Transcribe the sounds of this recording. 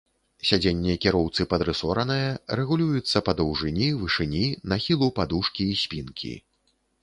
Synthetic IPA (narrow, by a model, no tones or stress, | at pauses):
sʲad͡zʲenʲːɛɐkʲiɾɔwt̪sɨpɐd̪ɾɨsɔɾɐnɨjɐrɛɣulʲujut̪sːɐpɐd̪ɐwʐɨnʲivɨʂɨnʲinaxʲilˠupad̪uʂkʲiːsʲpʲinkʲḭ